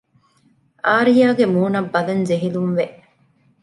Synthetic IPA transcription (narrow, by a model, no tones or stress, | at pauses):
aːɾijaːɡemuːnɐbːɐlɐnzeɦilumʋeʔ